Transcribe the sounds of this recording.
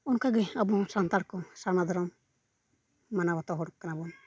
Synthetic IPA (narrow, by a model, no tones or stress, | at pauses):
ɔnkaɡɛabɔsant̪aɽkɔsanad̪ʱɔɾɔm | anabat̪ɔɦɔɽkanabɔm